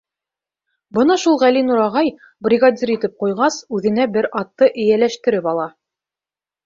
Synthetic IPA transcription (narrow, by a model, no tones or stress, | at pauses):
bɤnɑʃulˠʁælinuɾɑʁɑj | brʲiɡadʲiɾit̪ɘp̚qujʁɑsʉðɘ̆næbɘɾɑt̪ːɤʔɘ̆jælæʃt̪ɘ̆ɾɘpɑlˠɑ